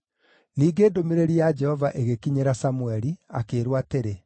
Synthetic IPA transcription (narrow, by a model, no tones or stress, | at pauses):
niːɡeːdomeɾeɾiad͡ʒɛhɔvaʔeɣekiɲeɾasamuɛɾia̰keːɾwateɾe